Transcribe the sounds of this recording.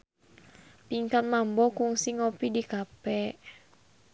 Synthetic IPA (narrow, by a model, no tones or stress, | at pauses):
piŋkat̪̚mambɔkuŋsiŋopidikapɛʔ